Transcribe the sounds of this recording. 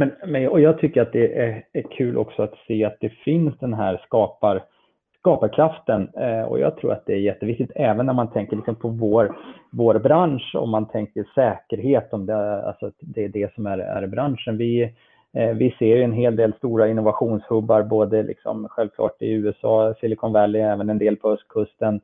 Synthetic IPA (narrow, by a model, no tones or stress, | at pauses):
mɛnmɛnɔjɑːɡ̚t̪ʰʏkːəɾat̪̚d̪ɛʔææɾkʰʉ̟ːlʔɔ̰ksɔat̪seːat̪̚d̪ɛfɪnsd̪ɛnɦæːɾskɑːpaɾ | skɑːpaɾkʰɾaft̪ənɔ̰jɑ̰ːɡt̪ʰɾṵːɾa̰t̪̚d̪ɛæɾjɛt̪ːəvɪk̚t̪ɪt̪ʰɛːvənːæɾmant̪ʰɛŋkəɭɪksɔmpʰɔvoːɾvoːɾbɾanʂɔ̰mːant̪ʰɛŋkəʂɛːkəɾɦeːt̪ɔmd̪ɛa̰lsɔt̪d̪ɛːɖɛsɔmæɾæ̰ɾbɾanʂənvɪ | vɪseːɾjɵɛnɦeːld̪eːlst̪uːɾaɪnːʊvaɧuːnshɵbːaɾboːd̪əlɪ̰ksɔ̰mɧɛlvkʰlɑ̰ːʈɪʉ̟ːɛsɑːsɪlɪkʰɔnvɛlːɪɛːvənɛnd̪eːlpʰɔhœst̪̚kʰɵst̪ən